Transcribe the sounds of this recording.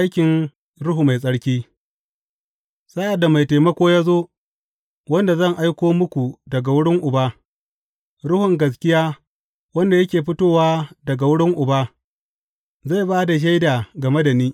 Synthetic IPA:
a˦jkʲɪ˨n | ɽʊ˦ɦu˨ma˨jsʼɐ˦ɽkʲiː˦ | sa˦ʔa˨dːa˨ma˨jteː˨mɐ˦kʷoː˦jaː˦zoː˦ | wɐ˦nda˨zɐ˦˨ŋʔa˦jkʷoː˦mʊ˦kʷu˨dɐ˨ɡa˨wʊ˦ɽɪ˦ŋʔʊ˨baː˦ | ɽʊ˦hʊ˨ŋɡɐ˨s̬kʲɪ˦jaː˦ | wɐ˦nda˨jɐ˦kʲeː˨ɸɪ˦toː˦waː˦dɐ˨ɡa˨wʊ˦ɽɪ˦ŋʔʊ˨baː˦ | za˦˨jbaː˦da˨ʃ̬a˦jda˨ɡɐ˨me˦da˨niː˦

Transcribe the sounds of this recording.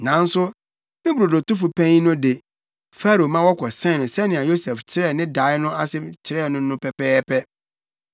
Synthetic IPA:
nã˨n̩˦sʊ˦ | mɪ̃˦bɾo˨do˨tʊ˦fu˨pʰɛ̃˦ɲ˦nʊ̃˦de˨ | fa˦ɾo˨mã˦wɔ˦kʷʰɔ˨sɛ̃˦˨nʊ̃˨sɛ˦nɪ̃˨a˨jo˦sɛ˨ft͡ɕʰɪ˦ɾɛ˦˨nɪ̃˦da˨˦ɪ˦nʊ̃˦a˦sɪ˦t͡ɕʰɪ˨ɾɛ˦˨nʊ̃˦nʊ̃˦pɛ˨pɛː˦pʰɛ˦

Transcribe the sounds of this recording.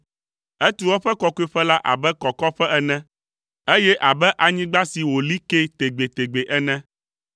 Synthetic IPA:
ɛ˦t̪u˦wɔ˦ɸɛ˦kɔ˦kɔ˦e˦ɸɛ˦la˦ʔa̰˨bɛ˦kɔ˨kɔ˦ɸɛ˦ʔɛ˨nɛ̃˦ | e˦jɛ˦ʔa˨bɛ˦ʔa˨ɲĩ˦ɡ͡ba˦si˨wo˨li˦ke˦t̪e˨ɡ͡be˨t̪e˨ɡ͡be˨ʔɛ˦nɛ̃˦

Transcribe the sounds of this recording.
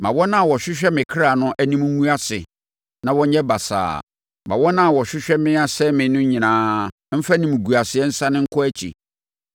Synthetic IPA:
mã̰˨wɔ˦nã˦˨wɔ˨ɕᶣɪ˦ɕᶣɛ˦mɪ̃˨kʰɾa˨nʊ̃˦ʔæ˦nĩ˦m˦ŋũ˦a˦sɪ̰˨ | nã˨wɔ̃˦ɲɛ̃˦ba˨sa̰ː˨ | mã̰˨wɔ˦nã˦˨wɔ˨ɕᶣɪ˦ɕᶣɛ˦mɪ̃˦a˦sɛ˦mɪ̃˨nʊ̃˦ɲĩ˨nãː˨˦ | m̩˦fa˦nĩ˨m˨ɡu˨a˨sɪ˨ɛ˦n̩˦sã˦nɪ̃˦ŋ̩˦kʰʊ˦æ˦t͡ɕʰḭ˨

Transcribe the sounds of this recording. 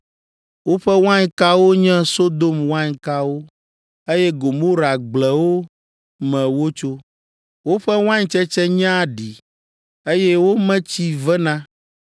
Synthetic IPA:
wo˦ɸɛ˦w̃ã˦ɲ˦ka˦wo˦ɲɛ̃˦so˦d̪o˦mwã˦ɲ˨ka˦wo˦ | e˦jɛ˦ɡo˨mo˦ɾa˨ɡ͡blɛ˨wo˦ | mɛ̃˨wo˦t͡ʃo˦ | wo˦ɸɛ˦w̃ã˦ɲ˦t͡ʃɛ˦t͡ʃɛ˦ɲã˦˨ɖi˨ | e˦jɛ˦wo˦mɛ̃˦t͡ɕi˦vɛ˦nã˦

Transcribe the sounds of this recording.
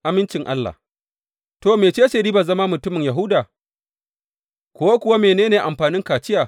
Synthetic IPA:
ʔa˦mɪ˦nt͡ʃɪ˨ŋʔa˦lːa̰ː˨ | toː˨meː˨t͡ʃeː˦ʃɐ˨ɾiː˦ba˨zɐ˦ma˦mʊ˨tʊ˦mɪ˨ŋja˨ɦʊ˦daː˨ | kʷo˦a˦kʷʊ˨wa˦meː˨neː˦neː˨ʔa˨mɸaː˨nɪ˦ŋkaː˨t͡ʃɪ˦jaː˨

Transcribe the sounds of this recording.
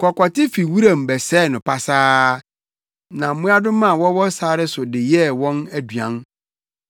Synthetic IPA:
kʰɔ˨kʷɔ˨tɪ˦fi˨wu˦ɾã˨m̩˨bɛ˨sɛː˦˨nʊ̃˨pa˨saː˦ | nã˨m̩˦mũ˦a˦dʊ̃˦mã˦˨wɔ˦wɔ˦saː˦ɾɪ˦sʊ˨dɪ˨jɛ˦wɔ̃˦næ˦dɥã˨˦n

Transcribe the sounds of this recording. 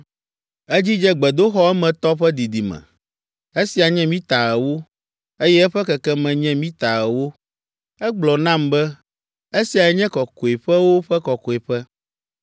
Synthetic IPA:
ɛ˦d͡ʑi˦d͡ʒɛ˦ɡ͡bɛ˨d̪o˦xɔ˦ɛ˦mɛ̃˨t̪ɔ˦ɸɛ˦d̪i˨d̪i˨mɛ̰̃˨ | e˦si˨a˨ɲɛ̃˦mĩ˦t̪a˨ɛ˨wo˦ | e˦jɛ˦ɛ˦ɸɛ˦kɛ˨kɛ˦mɛ̃˨ɲɛ̃˦mĩ˦t̪a˨ɛ˨wo˦ | ɛ˦ɡ͡blɔ˨nã˦mbɛ˦ | e˦si˨a˨ɛ˨ɲɛ̃˦kɔ˨ko˨e˨ɸɛ˦wo˦ɸɛ˦kɔ˨kɔ˨e˨ɸɛ˦

